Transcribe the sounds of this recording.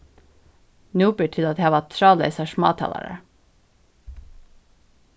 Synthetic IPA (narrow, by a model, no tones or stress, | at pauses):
nuːpəʈʰɪlɑt̪hehɑʋɑt̪ʰɾɑːlḛɪsɑʃmɑ̰ːt̪ʰɑ̰ːlɑ̰ɾə̰